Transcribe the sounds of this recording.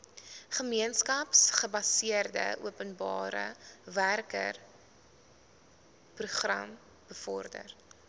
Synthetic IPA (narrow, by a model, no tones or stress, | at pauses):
χəmiənskɐpsχəbɐsiərdə̰ʔṵəpənbɑːɾə̰værkə̰r | pruχrɐ̰m | b̥əfɔrdə̰r